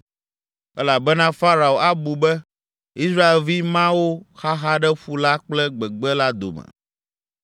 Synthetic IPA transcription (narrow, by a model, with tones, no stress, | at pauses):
ɛ˦la˨bɛ˦nã˦fa˦ɾa˨o˨ʔa˦bu˨bɛ˦ | i˦s̬ɾa˦e˨lvi˦mã˦wo˦xa˦ɦa˦ɖɛ˦ɸu˦la˦k͡plɛ˦ɡ͡bɛ˨ɡ͡bɛ˦la˦d̪o̰˨mɛ̰̃˨